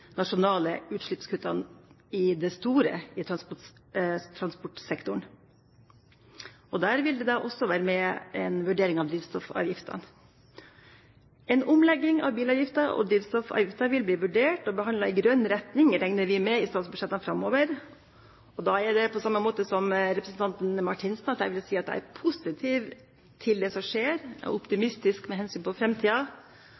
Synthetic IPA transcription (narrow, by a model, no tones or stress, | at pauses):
nɑʂʊnɑːləʉːt̪ʂɭɪpskʰʉːt̪ɑn | ɪd̪ɛst̪uːɾə̰ɪt̪ʰɾɑnspɔʈt̪ʰɾɑnspɔʈsɛkt̪ʊɳ | ɔd̪æːɾʋɪld̪ɛd̪ɑʔɔsɔʋæːɾəmɛɛnʋʉɖeːɾɪŋɑʋd̪ɾiːʋst̪ɔfɑ̰ːʋjɪft̪ʰɑ̰n | ɛnʊmlɛɡːɪŋɑ̰ʋbiːlɑːʋjɪft̪ɑɔ̰d̪ɾiːʋ̪st̪ɔfɑ̰ːʋjɪft̪ɑʋɪlbliːʋʉɖeːʈɔbəɦɑnd̪ɑɪɡɾœnːɾɛt̪nɪŋɾɛŋnəɾʋɪmɛɪst̪ɑːt̪sbʉʂɛt̪ːɑnfɾɑmːoːʋəɾ | ɔd̪ɑɛɖ̪ɛpʰɔsɑmːəmoːt̪əsɔmɾɛpɾəsn̩t̪ɑnt̪n̩mɑʈʰɪnsnɑt̪æ̰ʋɪlsiːɑt̪̚d̪ɛ̰æ̰ɾpʰʊsɪt̪ʰiːʋ | t̪ʰɪld̪ɛsɔmʂeːɾɔ̰ʊpt̪ɪmɪst̪ɪskmɛɦɛnsyːnpʰɔfɾɛmt̪ʰiːɑ